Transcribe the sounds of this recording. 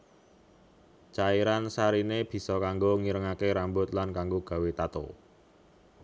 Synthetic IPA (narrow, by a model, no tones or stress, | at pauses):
t͡ʃaiɾansaɾineb̥i̤sɔkaŋɡoŋiɾəŋakeɾambʊt̪lankaŋɡoɡ̥a̤wet̪at̪o̰